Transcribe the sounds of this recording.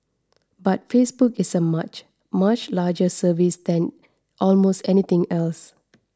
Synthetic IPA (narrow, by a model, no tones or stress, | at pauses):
batfesbukɪsəmat͡ʃ | mat͡ʃlaːd͡ʒəsəvisd̪ɛ̃n | ʔɔlmostɛnit̪ɪ̃ŋɛls